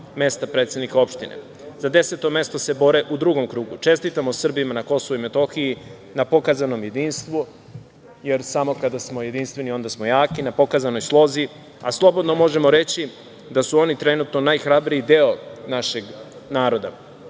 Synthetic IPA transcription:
me̞st̪apɾe̞ːt̪sed̪nikao̞pʃt̪inḛ | zad̪e̞set̪o̞me̞st̪ose̞bo̞ɾe̞ʔud̪ɾuɡo̞mkɾuːɡut͡ʃe̞st̪it̪amosr̩bimanako̞so̞vuime̞t̪o̞xiji | napo̞kazano̞mje̞d̪iːnst̪ʋu | je̞ɾsamo̞kad̪asmo̞je̞d̪inst̪ʋe̞nio̞nd̪asmo̞jaːkinapo̞kazano̞jslˠo̞zi | a̰slˠo̞bo̞d̪no̞mo̞ʒe̞mo̞ɾe̞t͡ɕi | d̪asuo̞nit̪ɾe̞nut̪no̞najxɾabɾijid̪eonaʃe̞ɡ | naːɾo̞d̪a

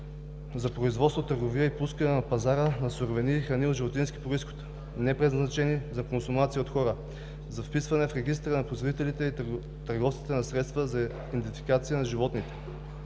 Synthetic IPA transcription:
zɐpɾoizvɔt̪svot̪əɾɡoviəipuskənɛnɐpɐzaɾənɐsuɾvɛnixɾɐniod̪ʒivot̪inskʲi̥pɾoisxo̥t̪ | nɛpɾɛznɐt͡ʃɛnizɐkonsumat̪siəot̪xɔɾə | zɐfpisvɐnɛfɾɛɡ̟ist̪ɾənɐpɾoizvod̪it̪ɛlit̪ɛi | t̪ɐɾɡɔfst̪i̥t̪ɛnɐsɾɛt̪st̪vəzɐ | it̪ɛt̪fikat̪sijənɐʒivɔt̪nit̪ɛ̥

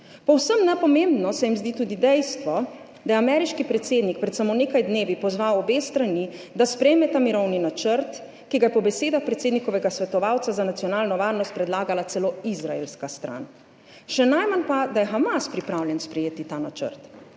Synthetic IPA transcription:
pɔwsəmnɛpɔmẽmbnɔsɛjimzd̪it̪uːd̪id̪ɛjst̪ʋɔ | d̪ajɛamɛɾiʃkipɾɛt̪seːd̪nik̚pɾɛt̪samoneːkajd̪neːʋipɔzʋawɔbeːst̪ɾanid̪aspɾɛjmɛt̪amiɾɔwninat͡ʃəɾt̪ | kiɡajɛpɔbɛseːd̪axpɾɛt̪seːd̪nikɔʋɛɡasʋɛt̪ɔʋawt̪sazanat̪sijɔnaːlnɔʋaːɾnɔst̪̚pɾɛd̪laːɡalat̪sɛloizɾaḛlskast̪ɾa̰n | ʃɛnajmanpad̪ajɛxamaspɾipɾawljɛnspɾɛjeːt̪it̪anat͡ʃə̰ɾt̪

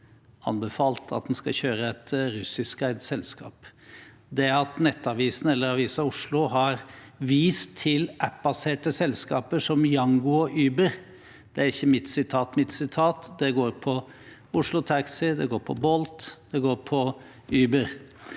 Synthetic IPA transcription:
ɑ̰nbɛfɑːlt̪ʰɑ̰t̪̚d̪ɛnskɑçøːɾəɛt̪ɾʉsɪskæɪsɛlskɑ̰ːp | d̪ɛæɾɑt̪nɛt̪ːɑʋiːsnɛlːəɾɑʋiːsɑʊʂlʊɦɑɾʋiːst̪ʰːɪlʔæpbɑseːʈəsɛlskɑːpəʂɔmjɑŋɡʊɔʔyːbəɾ | d̪̥ɛæɾɪçːəmɪt̪sɪt̪ʰɑːt̪mɪt̪sɪt̪ʰɑːt̪d̪ɛɡoːɾpʰɔ | ʊʂlʊt̪ʰɑksɪd̪ɛɡoːɾpʰɔbɔlt̪d̪̥ɛɡoːɾpʰɔ | yːbəɾ

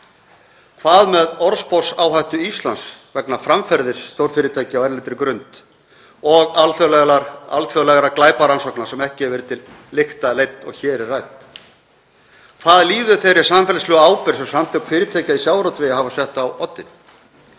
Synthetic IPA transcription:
kʰvaːðmɛðɔɾspɔsaːwɦajht̪ʏist̪lansvɛknafɾaɱfɛɾðɪɾ̥sːt̪owɾ̥fɪːɾɪt̪ʰajcɪawɛɾlɪt̪ɾɪkɾʏnt̪ | ɔɣalθɔla̰lθjœwlɛɣaɾaklaːjpaɾansɔhknaɾ̥sɛmɛhcɪɛɾvɪɾt̪ʰɪlː | ɪxt̪alejt̪nɔ̰ɣçɛːɾɪrajt̪ | kʰvaːðliːðʏθejɾɪ̥sanfɛlslʏɣaaːwpɪɾ̥sɛmsamt̪ʰɛkfɪːɾɪt̪ʰaːjcaisjaːwɾɔt̪vɪjahavasɛht̪awɔt̪ːɪn

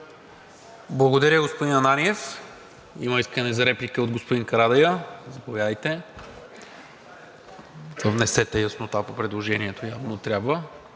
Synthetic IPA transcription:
blˠɐɡod̪ɐɾʲəɡospod̪inɐnaniɛf | iməiskənɛzɐɾɛplʲikəod̪ɡospod̪iŋkɐɾad̪ɐjəzɐpovʲjavəjt̪ɛ | vəvnɛsɛt̪ɛjəsnot̪apopɾɛd̪lˠoʒɛniɛt̪ojavnot̪ɾʲjabvə

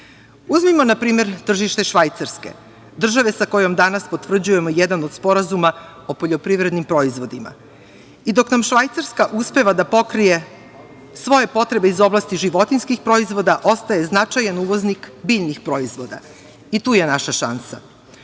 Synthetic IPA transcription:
uzmimo̞napɾiːme̞ɾt̪r̩ʒiʃt̪e̞ʃʋajt̪saɾske̞̰ | d̪r̩ʒaʋe̞sako̞jo̞md̪anaspo̞t̪vr̩d͡ʑuje̞mo̞jɛd̪anod̪̥spo̞ɾazuma | o̞po̞ʎo̞pɾiʋɾe̞d̪nimpɾo̞izʋo̞d̪ima̰ | id̪o̞knamʃʋajt̪saɾskaʔuspe̞ʋad̪apo̞kɾije̞ | sʋo̞je̞po̞t̪ɾe̞be̞izo̞blˠast̪iʒiʋo̞t̪inskixpɾo̞izʋo̞d̪aʔo̞st̪aje̞znat͡ʃajanuʋo̞znikbiʎnixpɾo̞izʋo̞d̪a̰ | it̪uːje̞naʃaʃa̰nsa̰

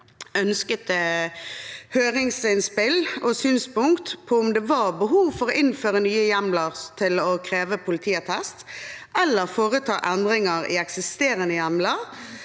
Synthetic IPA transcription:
œnskət̪ə | høːʁɪŋsɪnspɪlɔsyːnspʊŋkt̪pʰɔʊmd̪ɛʋɑʁbəɦuːʋfɔʁɔʔɪnføːʁənyːəjæmləʁt̪ʰɪlɔkʰʁeːʋəpʰʊlɪt̪ʰiːət̪ʰɛst̪ʔɛlːəʁfoːʁət̪ʰɑ̰ːʔɛnd̪ʁɪŋəʁɪ̰ɛksɪst̪eːʁənəjæmləʁ

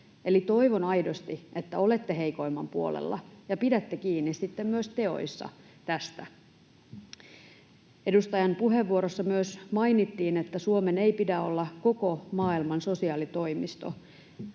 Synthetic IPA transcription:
e̞lit̪o̞jʋonɑjdo̞st̪iʔet̪ːæo̞le̞t̪ːeɦe̞jko̞imːɑ̰mpuo̰lḛlːɑ̰jɑpidæt̪ːekiːnːissit̪ːemmyøst̪e̞o̞̰jsːɑ̰ | t̪æst̪æ | e̞dust̪ɑjɑnpuɦeʋːuoɾosːɑmyøsmɑjnit̪ːiːnet̪ːæsuome̞neipidæo̞lːɑko̞ko̞mɑːilmɑnso̞siɑːlit̪o̞jmist̪o̞̰

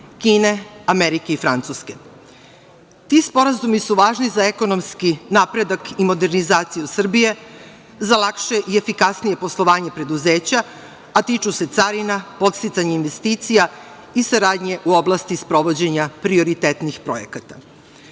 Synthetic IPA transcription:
kiːne̞ameɾike̞ifɾant̪suske̞ | t̪ispo̞ɾazumisuʋaːʒnizae̞ko̞no̞mskinaːpɾe̞d̪akimo̞d̪e̞ɾnizaːt̪sijusr̩bije̞ | zalakʃe̞ʔiefikasnije̞po̞slˠo̞ʋaːɲe̞pɾe̞d̪uze̞ːt͡ɕa | at̪it͡ʃuse̞t̪saɾinapo̞t̪st̪it̪saɲeinʋe̞st̪iːt̪sija | isaɾaːd̪ɲe̞ʔuo̞blast̪ispɾo̞ʋo̞d͡ʑe̞ɲapɾio̞ɾit̪et̪nixpɾo̞̰je̞̰kat̪a

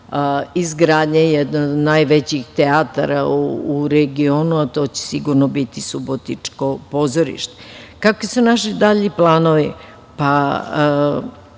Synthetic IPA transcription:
izɡɾaːd̪ɲejed̪nonajʋet͡ɕixt̪eat̪aɾa̰uːɾeɡio̞ːnuat̪o̞ːt͡ɕe̥siɡuɾnobit̪isubot̪nit͡ʃkopo̞ːzoɾḭʃt̪e̥kakʋisunaʃid̪aʎiplˠaːnoʋi | pa

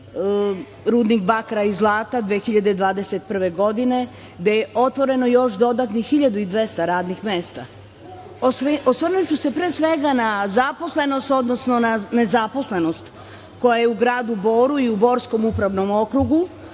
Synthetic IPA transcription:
ɾuːd̪nikbakɾaizlˠaːt̪ad̪ʋeːxiʎad̪ed̪ʋaːd̪e̞set̪pr̩ʋe̞ɡo̞d̪ine̞ | d̪ejeʔo̞t̪ʋo̞ɾe̞no̞jo̞ʃd̪o̞d̪at̪nixiʎad̪uid̪ʋe̞st̪aɾaːd̪nixme̞ːst̪a | ososʋrnut͡ɕuse̞pɾeːsʋe̞ɡanazapo̞sle̞no̞st̪o̞d̪nosno̞nane̞zapo̞sle̞no̞st̪ | ko̞jajeuɡɾaːd̪ubo̞ːɾuiubo̞ːɾsko̞mupɾaʋno̞mo̞kɾuɡu

